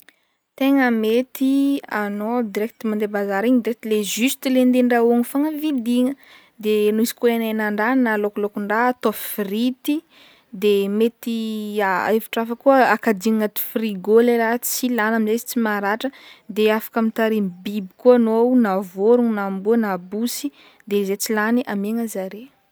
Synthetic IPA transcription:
t̪eŋəmet̪ianod̪iɾɛk̚t̪imand̪ebazaɾiɲd̪iɾɛk̚t̪lezyst̪ilend̪eɳɖ͡ʐauaŋifaŋəvid̪iŋə | d̪enoizi̥kuenenaɳɖ͡ʐanalokulokuɳɖ͡ʐat̪offrit̪i | d̪emet̪iaeviʈ͡ʂafəkuəakad̪iŋat̪i̥friɡoleɾat͡silanamizezi̥t͡simaɾaʈ͡ʂəd̪eafḁkamint̪aɾimbibikuanoawnavoɾuŋnambuənabusi | d̪ezet͡silaniʔameŋəzaɾe

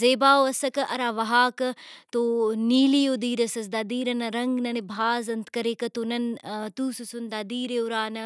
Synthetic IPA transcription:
zeːbaːoɐsɐkɐʔɐɾaːʋɐɦaːkɐt̪oːniːlijoːd̪iːɾɐsɐs̬d̪ad̪iːɾɐnɐɾɐŋɡnɐnebʱaːzɐnt̪kɐɾeːkɐt̪oːnɐnt̪uːsusund̪aːd̪iːɾeuɾaːnɐ

